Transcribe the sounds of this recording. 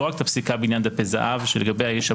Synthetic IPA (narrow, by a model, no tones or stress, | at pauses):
ʁak̚t̪apsikabeinjand̪apeza̰ʔavʃeleɡabejhajeʃa